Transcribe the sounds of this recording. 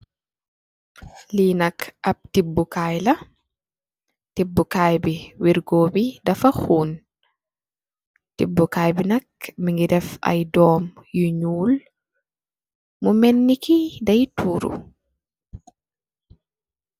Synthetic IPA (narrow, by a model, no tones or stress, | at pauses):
linakʔab̚tibːukajla | tibːukajbiwiɾɡoːbidafahuːn | tibːukajbinak̚miŋɡidɛfa̰jdɔːmjuɲuːl | mumenːikidajtuːɾṵ